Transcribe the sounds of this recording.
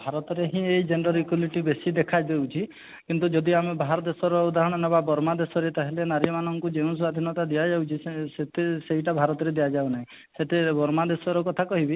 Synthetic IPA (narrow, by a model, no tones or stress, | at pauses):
bʱaɾɔt̪ɔɾeɦĩejd͡ʒenɾɔɾikuliʈibesid̪ekʰajd̪ewt͡ʃʰi | kint̪ud͡ʒɔd̪iamebʱaɦɾɔd̪esɔɾɔud̪aɦɔɽ̃ɔnɔbabɔɾmad̪esɔɾet̪aɦilenaɾiɔmanɔŋkud͡ʒeũswad̪ʱinɔt̪ad̪ijad͡ʒawt͡ʃʰisset̪esejʈabʱaɾɔt̪ɔɾed̪ijad͡ʒawnaɦĩ | seʈebɔɾmad̪esɔɾɔkɔt̪ʰakɔɦibi